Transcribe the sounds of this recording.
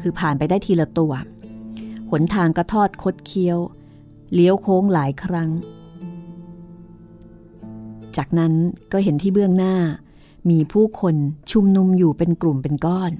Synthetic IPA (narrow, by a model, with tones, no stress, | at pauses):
kʰɯː˧pʰaː˨˩npa˧jdaː˥˩jt̪ʰiː˧la˧t̪u˧ɐ | pʰo˩˦nt̪ʰaː˧ŋka˥˩t̪ʰɔː˥˩t̪̚kʰo˦˥t̪̚kʰi˦˥əw | li˦˥əwkʰoː˦˥ŋlaː˩˦jkʰɾa˦˥ŋ | t͡ɕaː˨˩k̚na˦˥nkɔː˥˩ɦe˩˦nt̪ʰiː˥˩bɯ˥˩əŋnaː˥˩ | miː˧pʰuː˥˩kʰo˧nt͡ɕʰu˧mnu˧mjuː˨˩pe˧nklu˨˩mpe˧nkɔː˥˩n